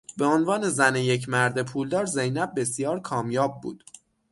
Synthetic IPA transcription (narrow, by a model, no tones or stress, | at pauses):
be̞onvɒːne̞zænejecʰmæɾd̪epʰuːld̪ɒːɾze̞jnæb̚ːe̞sijɒːɾkʰɒːmjɒːb̚ːṵːd̪̥